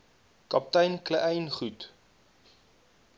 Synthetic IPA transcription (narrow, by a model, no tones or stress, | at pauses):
kɐp̚tɐjnkləʔɛjnχut